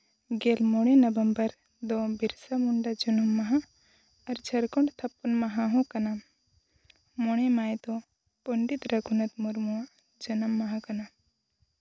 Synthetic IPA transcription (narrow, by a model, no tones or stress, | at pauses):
ɡeːlmoɽ̃enɐbɐmbɐɾ | d̪obiɾsamuɳɖad͡ʒunumːɐɦa | ɐɾd͡ʒʰɐɾkoɳɖt̪ʰɐpːunmɐɦaɦõkɐna | moɽ̃emaːjt̪o | poɳɖit̪ɾɐɡʰʱunɐt̪muɾmuwa | d͡ʒɐnɐmːɐɦakɐna